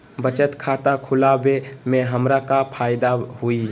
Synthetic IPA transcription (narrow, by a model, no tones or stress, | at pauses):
bət͡ʃət̪kʰaːt̪akʰʊlabemẽɦəmɾakapʰaːɪd̪ahui